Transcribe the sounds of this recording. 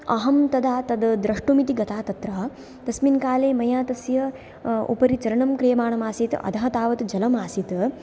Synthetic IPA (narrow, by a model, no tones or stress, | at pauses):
ɐɦɐmt̪ɐd̪aːt̪ɐd̪d̪ɾɐʂʈumit̪iɡɐt̪ʰaːt̪ɐt̪ɾaː | t̪ɐsminkaːleːmɐjaːt̪ɐsjɐ | ṵpɐɾit͡ʃɐɾɐɳɐmkɾijɐmaːɳɐmaːsit̪ʔɐ̰d̪ʱɐɦɐt̪aːʋɐt̪d͡ʒɐlɐmaːsit̪